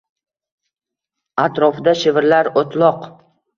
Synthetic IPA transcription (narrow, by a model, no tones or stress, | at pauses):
at̪ɾɒfɪd̪aʃɪvɪɾlaɾot̪ʰlˠɒq